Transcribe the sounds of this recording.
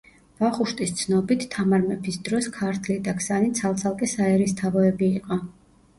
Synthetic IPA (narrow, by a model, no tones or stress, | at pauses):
b̥aχuʃt̪ʼist̪sʰnɔbit̪ʰːamaɾmɛpʰisd̪ɾɔskʰaɾt̪ʰlid̪akʰsanit̪sʰalˠt̪sʰalˠkʼɛsaɛɾist̪ʰavɔɛbiːqʼɔ